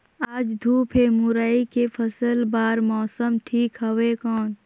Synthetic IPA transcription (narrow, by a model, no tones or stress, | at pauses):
aːd͡ʒd̪ʱuːpʰemʊɾaːikefʰɐsəlbaːɾmɔːsəmʈʰiːkɦɐwekɔːn